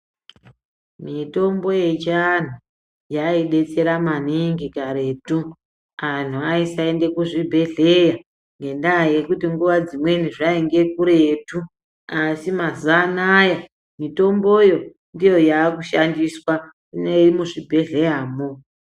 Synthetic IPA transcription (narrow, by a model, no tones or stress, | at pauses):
mito̞mbo̞je̞t͡ʃan̤u | jaiɗe̞t͡se̞ɾamaniŋɡikaɾe̞tu | an̤uaisaende̞kuʐibʱe̞ɮe̞ja | ŋɡe̞ndaje̞kutiŋɡuʋad͡zimwe̞niʐaeŋɡe̞kuɾetu | asimazanaja | mito̞mbo̞jo̞ | ndijo̞jaːkuʃandiswa | neirimuʐibʱe̞ɮe̞jaːmo